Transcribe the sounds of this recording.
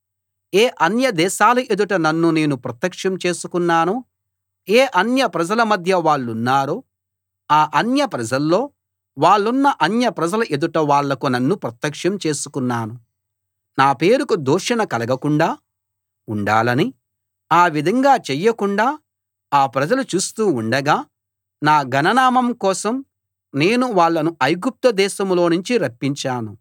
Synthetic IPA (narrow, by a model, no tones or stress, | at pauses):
eːʔɐnjɐd̪ɛːʃaːlɐʔe̞d̪uʈɐnɐnːune̞ːnupɾɐt̪jɐkʂɐmt͡ʃe̞ːsukunːaːnu | eːʔɐnjɐpɾɐd͡ʒɐlɐmɐd̪ʱjɐʋaːɭːunːaːɾuː | aːʔɐnjɐpɾɐd͡ʒɐlːo̞ː | ʋaːɭːunːɐʔɐnjɐpɾɐd͡ʒɐlɐʔe̞d̪uʈɐʋaːɭːɐkunɐnːupɾɐt̪jɐkʂɐmt͡ʃe̞ːsukunːaːnu | naːpe̞ːɾukud̪uːʃɐnɐkɐlɐɡɐkuɳɖaː | uɳɖa̰ːlɐni | aːʋid̪ʱɐŋɡaːt͡ʃɛjːɐkuɳɖaː | aːpɾɐd͡ʒɐlut͡ʃuːst̪uːuɳɖɐɡaː | naːɡɐnɐnaːmɐmkɔːsɐm | ne̞ːnuʋaːɭːɐnuɐjɡup̚t̪ɐd̪ɛːʃɐmlo̞ːnuɲt͡ʃiɾɐpːiɲt͡ʃaːnu